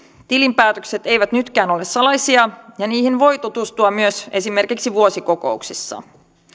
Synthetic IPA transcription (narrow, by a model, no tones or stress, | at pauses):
t̪ilimpæːt̪økse̞t̪e̞jʋæt̪nyt̪kæːno̞lesːɑlɑjsiɑjɑniːhinʋo̞jt̪ot̪ust̪uɑmyøse̞sime̞rkiksiʋuosiko̞ko̞̰uksisːɑ̰